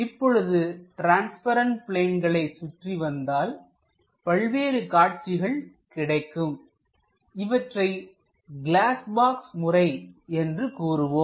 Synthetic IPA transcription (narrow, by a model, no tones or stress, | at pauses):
ɪpːɔɻɯðɯʈɾaːnspɐɾɐɳʈpɭeːnɡɐɭɐɪsʊʈriʋɐnd̪aːl | pɐɭʋeːɾɯkaːʈ̚t͡ʃɪɣɐɭ | kɪɽɐɪkːɯm | ɪʋɐʈrɐɪ | ɡɪɭaːsbaːksmʊrɐɪɛndrɯkuːɾɯʋoːm